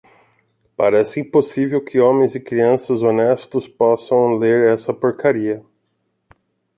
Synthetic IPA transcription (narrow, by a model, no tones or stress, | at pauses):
paɾɛsɪĩposivewkʰɪõmẽj̃zɪkɾiɐ̃sɐzonɛst̪ʊspɔsɐ̃w̃leɾɛsɐpoɾkaɾiɐ